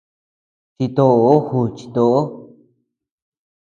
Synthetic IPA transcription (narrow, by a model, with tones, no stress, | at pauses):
t͡ʃi˧t̪o˧o˦hu˧˨t͡ʃi̥˧t̪o˧ʔo˦